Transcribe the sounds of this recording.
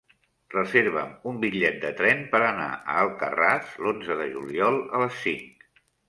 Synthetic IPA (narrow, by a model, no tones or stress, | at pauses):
rəzeɾβəmumbiʎɛt̪̚d̪ət̪ɾɛmpəɾəna̰ʔə̰əlˠkə̰raslonzəðəʒuliɔlˠələsːiŋk